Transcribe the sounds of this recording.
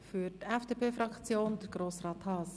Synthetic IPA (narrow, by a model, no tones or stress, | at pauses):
fytɛfd̥eːpʰeːfɾɑkt͡sjoːndəɾɡɾoːsrɑːt̪hɑːs